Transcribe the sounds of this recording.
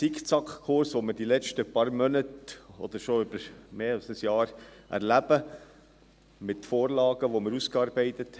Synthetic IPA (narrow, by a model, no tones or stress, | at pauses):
sikt͡sɑkχkʰʊɾsʋoməɾd̥ilɛt͡ʃtəpɑɾmœnətɔ̰d̪̥əɾʃoʏb̥əɾmeːɑlsəsjɑːɾʔæ̰ɾlæb̥ə | mɪtfɔːɾlɑːɡ̥əʋoməɾuskɑːɾbɛɪt̪ət̪